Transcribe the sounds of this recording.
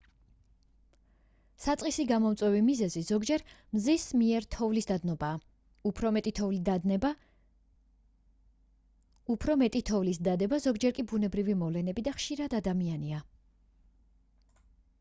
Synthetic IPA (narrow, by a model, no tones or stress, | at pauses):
sat̪sʼisiɡamɔmt̪sʼwɛvimizɛzizɔɡd͡ʒɛɾmzismiɛɾt̪ʰɔvlisd̪ad̪nɔba | upʰɾɔmɛt̪ʼit̪ʰɔvlid̪a | upʰɾɔmɛt̪ʼit̪ʰɔvlisd̪ad̪ɛbazɔɡd͡ʒɛɾkʼibunɛbɾivimɔvlɛnɛbid̪aχʃiɾad̪ad̪amiania